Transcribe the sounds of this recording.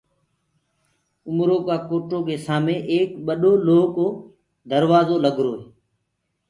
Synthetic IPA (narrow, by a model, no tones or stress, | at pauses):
ʊmɾoːkaːkoːʈoːkeːsaːmẽːʔeːkɓəɗoːloːkoː | d̪əɾʋaːzoːləɡɾoːɦeː